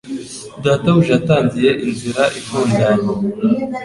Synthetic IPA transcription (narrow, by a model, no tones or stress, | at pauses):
daːtaβuʒataːnzije̞ʔinziɾaʔifuːndaɲo